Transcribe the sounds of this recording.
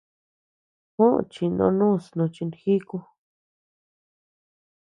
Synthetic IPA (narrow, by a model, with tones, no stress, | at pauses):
hõ˦ʔt͡ʃi˧nõ̰˧nũː˦˨snõ˧t͡ʃi˧ni˧xi˦ku˧